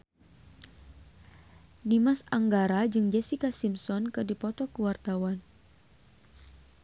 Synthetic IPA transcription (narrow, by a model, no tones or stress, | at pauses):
dimasaŋɡaɾad͡ʒɨŋd͡ʒɛsikasimsɔnkɨrdipɔt̪ɔkəwart̪awan